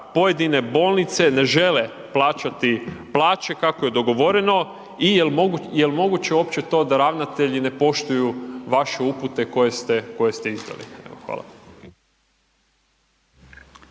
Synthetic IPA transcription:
po̞je̞d̪ine̞bo̞ːlˠnit̪se̞ne̞ʒe̞le̞ | plˠaːt͡ʃat̪iplˠaːt͡ʃe̞kakoje̞d̪o̞ɡo̞ʋo̞ɾe̞no̞ | ijeljelmo̞ɡut͡ɕeo̞ːpt͡ɕe̞t̪o̞d̪aɾaʋnat̪e̞ʎine̞po̞ʃt̪ujuʋaʃe̞uput̪e̞ko̞jest̪eko̞je̞st̪eizd̪a̰lḭḛʋoxʋa̰ːlˠa̰

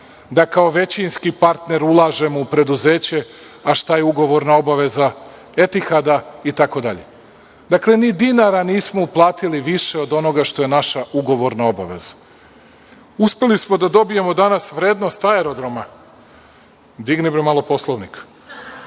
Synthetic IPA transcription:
d̪akao̞ʋe̞t͡ɕinskipaɾt̪ne̞ɾulˠaːʒe̞moupɾe̞d̪uze̞ːt͡ɕe̞ | aʃt̪ajeuɡo̞ʋo̞ɾnao̞baʋe̞za | e̞t̪ixad̪ait̪ako̞d̪aʎe̞̰ | d̪akle̞nid̪inaɾaniːsmouplˠaːt̪iliʋiʃe̞o̞d̪o̞no̞ɡaʃt̪o̞je̞naʃauɡo̞ʋo̞ɾnao̞baʋe̞̰zḁ | uspe̞lismo̞d̪ad̪o̞bije̞mo̞d̪anasʋɾeːd̪no̞st̪aeɾo̞d̪ɾo̞ma | d̪iɡnibɾemalˠo̞po̞slˠoʋnik

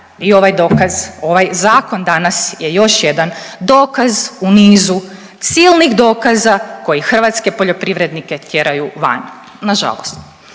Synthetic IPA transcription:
io̞ʋajd̪o̞kazo̞ʋajzaːko̞nd̪anasjejo̞ʃjed̪and̪o̞ːkazuniːzu | t̪siːlˠnixd̪o̞ːkazako̞jixr̩ʋaːt̪ske̞po̞ʎo̞pɾiʋɾed̪nike̞t̪je̞ɾajuʋa̰n | naʒa̰lˠo̰st̪

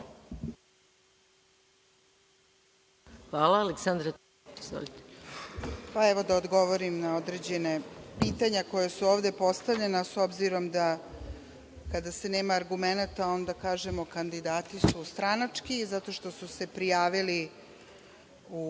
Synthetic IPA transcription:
xʋaːlaːleksand̪ɾa | izvo̰lit̪e̥ | paɛʋo̞d̪aod̪ɡo̞ʋo̞ɾimnao̞d̪ɾe̞d͡ʑe̞nepiːt̪aɲako̞jasuoːʋd̪e̞po̞st̪aʋʎe̞naso̞bziɾo̞md̪a | kad̪ase̞neːmaːɾɡume̞nat̪ao̞nd̪akaːʒe̞mo̞kand̪id̪aːt̪isust̪ɾanat͡ʂkizat̪o̞ʃt̪o̞suse̞pɾijaːʋili | u

